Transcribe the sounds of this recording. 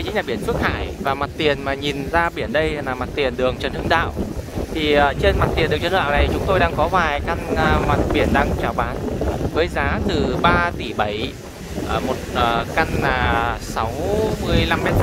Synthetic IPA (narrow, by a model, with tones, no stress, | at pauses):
t͡ɕḭ˧˦˥ɲaː˨˩ɓi˧˩ənsɨ˦˥t̚haː˧˩jvaː˨˩ma˨˩t̚t̪i˨˩ənmaː˨˩ɲi˨˩nzaː˧ɓi˧˩ənɗə˧jlaː˨˩ma˨˩t̚t̪i˨˩ənɗɨ˨˩əŋt͡ɕə˨˩˦nhɨ̰˧əŋɗa̰ː˧˨wt̪ʰi˨˩ʔəː˨˩t͡ɕe˧nma˨˩t̚t̪i˨˩ənɗt͡ɕə˧a̰ː˧˨na˨˩jt͡ɕʊ˨˦ŋ͡mt̪o˧jɗaː˧ŋkɔ˨˦vaː˨˩jka˧nː˧ma˨˩t̚ɓi˧˩ənɗaː˧ŋt͡ɕaː˨˩wɓaː˨˦nvəː˨˦jzaː˨˦t̪ɨ˨˩ɓaː˧t̪i˧˩ɓə˨˩j | ʔəː˨˩mo˨˩t̚ʔəː˨˩ka˧naː˨˩sa˨˦wmɨ˧əjla˧mːɛ˦˥t̚